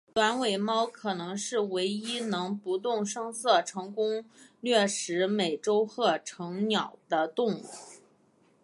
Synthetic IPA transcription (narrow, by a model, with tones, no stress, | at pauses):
t̪wa˧˥nwe˨˩ɪmɑ˥ʊkʰɤ˨˩nɤ˧˥ŋʂɻ̩˥˩we˧˥ɪi˥nɤ˧˥ŋpu˧˥t̪̬ʊ˥˩ŋʂɤ˥ŋsɤ˥˩ʈ͡ʂʰɤ˧˥ŋkʊ˥ŋlɥɛ˥˩ʂɻ̩˧˥me˨˩ɪʈ͡ʂo˥ʊxɤ˥˩ʈ͡ʂʰɤ˧˥ŋnjɑ˨˩ʊd̪̥ə˦t̪ʊ˥˧ŋu˥˩